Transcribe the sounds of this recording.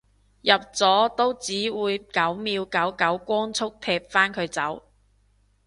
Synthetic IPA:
jɐ˨p̚t͡sɔː˨˥t̪o˥wt͡siː˨˥wuː˨˧jkɐ˨˥wmiː˨˧wkɐ˨˥wkɐ˨˥wkʷɔː˥ŋt͡sʰʊ˥k̚t̪ʰɛː˧p̚faː˥nkʰɵ˨˧ɥt͡sɐ˨˥w

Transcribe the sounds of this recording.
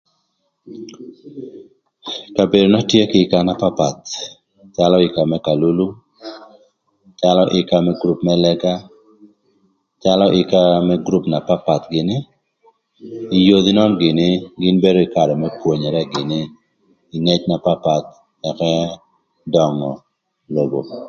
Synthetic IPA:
ka˨be˨do˨nɔ˦tje˦kɪ˦ka˦na˦pa˦pa˨t̪ | t͡ʃa˦lɔ˦ɪ˨ka˨mɛ˦ka˨lu˦lu˦ | t͡ʃalɔ˦ʔɪ˨ka˦mɛ˦ɡɾu˦pmɛ˦lɛ˦ka˦ | t͡ʃa˦lɔ˦ʔɪ˨ka˦mɛɡɾu˦pna˨pa˦pa˨t̪ɡɪ˨nɪ˦ | ɪ˨jo˦d̪i˦nɔ˦mɡɪ˨nɪ˦ɡɪ˦nbe˦do˦ɪ˨ka˨dɔ˨mɛ˦pwo˨ɲɛ˨ɾɛ˦ɡɪ˨nɪː˦˨ | ŋe˦t͡ʃna˨pa˦pa˨t̪ | ɛ˨kɛ˦ | dɔ˨ŋɔ˨ | lo˨ɡo̰˨

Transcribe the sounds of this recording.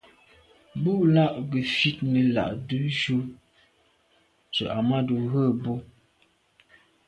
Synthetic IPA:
bu˦ʔla˦˨ʔɡə˨fi˦t̚nə˨la̰˨ʔdʉ˦ʃu˦ | t͡ʃə̰˨ʔa˨ma˦du˨ɣə˦˨bo˦

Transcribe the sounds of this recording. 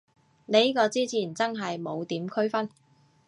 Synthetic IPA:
ne˨˧jkɔː˧t͡siː˥t͡sʰiː˨˩nt͡sɐ˥nɦɐ˨jmo˨˧wt̪iː˨˥mkʰɵ˥ɥfɐ˥n

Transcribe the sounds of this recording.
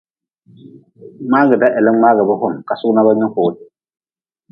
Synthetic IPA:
ŋ͡maː˦ɡɛ˨da˦ʔɛ˨lɛ˦ŋ͡maː˦ɡɛ˨bɨ˦ɦʊ˦mka˨sʊ˦na˦ba˦ɲɔ˦kʊː˨

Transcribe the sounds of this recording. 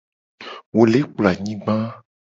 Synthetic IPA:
wo˨le˨˦k͡pla˨ɲĩ˦ɡ͡bã˦

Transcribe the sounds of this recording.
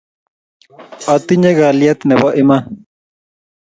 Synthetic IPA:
ɔ˨t̪i˦ɲɛ̃˦ɣa˨lja˦t̪nɛ˨bɔ˦ʔi˦ma˦

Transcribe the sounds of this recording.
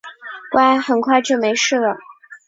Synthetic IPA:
wa˥˩ɪxə˨˩nkʰwa˥˧ɪʈ͡ʂjo˥˩ʊme˧˥ɪʂɻ̩˥˩lə˩

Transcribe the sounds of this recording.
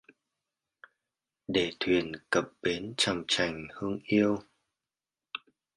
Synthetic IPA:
ɗe˧˩t̪ʰwi˨˩ənkə˨˩p̚ɓe˨˦nt͡ɕa˧˩ŋ͡mt͡ɕa˨˩jŋ̟hɨ˧ŋʔi˧əw

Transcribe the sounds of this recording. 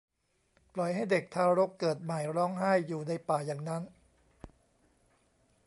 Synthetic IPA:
plɔ˨˩jɦa˥˩jde˨˩k̚t̪ʰaː˧ɾo˦˥kːɤː˨˩t̪̚ma˨˩jɾɔː˦˥ŋɦaː˥˩jːuː˨˩na˧jpaː˨˩jaː˨˩ŋna˦˥n

